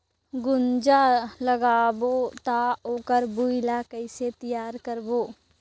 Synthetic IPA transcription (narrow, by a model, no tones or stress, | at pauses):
ɡʊnd͡ʒaləɡaːbot̪aoːkəɾbuɪlakəɪset̪ijaːɾkəɾboː